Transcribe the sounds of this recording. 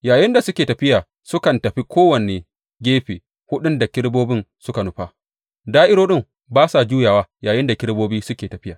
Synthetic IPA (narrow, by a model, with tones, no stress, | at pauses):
jaː˨jɪ˦nda˨sʊ˦kʲeː˨tɐ˨ɸɪ˦jaː˨ | sʊ˦kɐ˨ntɐ˨ɸi˦kʰʷoː˦wɐ˨neː˨ | ɡʲeː˦ɸeː˨ | hʊ˦ɗʊ˦nda˨kʲɪ˦ɽboː˦bɪ˦nsʊ˦ka˨nʊ˦ɸaː˦ | daː˦ʔɪ˦ɽoː˦ɗɪ˦m | baː˦sa˨d͡ʒuː˦jaː˨waː˦jaː˨jɪ˦nda˨kʲɪ˦ɽboː˦biː˦sʊ˦kʲeː˨tɐ˨ɸɪ˦jaː˨